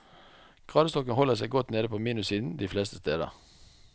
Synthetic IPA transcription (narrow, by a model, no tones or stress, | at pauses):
ɡ̥ʁɑːd̪əst̪ɔkənhɔləʁsɛɪɡɔt̪neːd̪əpʰoːmiːnʉsiːd̪n̩d̪iːflɛːst̪ʰə̥st̪eːd̪ə̰ʁ